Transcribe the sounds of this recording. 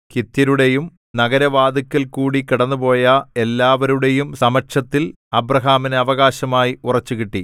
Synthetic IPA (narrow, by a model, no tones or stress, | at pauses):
kit̪jɐɾuɽe̞jum | nɐɡɐɾɐʋaːd̪ɐkʲːɐlkuːɽikiɽɐnːupo̞ːjɐe̞lːaːʋɐɾuɽe̞jumsɐmɐʈʂɐt̪ːil | ɐbrɐɦaːmineɐʋɐɣaːɕɐmaːjiurɐt͡ɕːukiʈːi